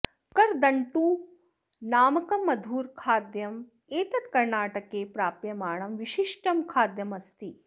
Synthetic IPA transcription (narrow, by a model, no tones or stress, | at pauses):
kɐɾd̪ɐɳʈuː | naːmɐkɐmːɐd̪ʱuːɾkʰaːd̪jɐm | eːt̪ɐt̪kɐɾɳaːʈɐkeːpɾaːpjɐmaːɳɐmʋiʃiʂʈɐmkʰaːd̪jɐmɐst̪i